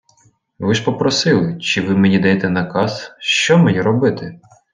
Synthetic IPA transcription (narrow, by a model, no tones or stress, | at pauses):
ʋɪʃpɔpɾɔsɪlˠɪt͡ʃɪʋɪmenʲid̪ɐjet̪ɛnɐkɑsʃt͡ʃɔmejiɾɔbɪt̪ɪ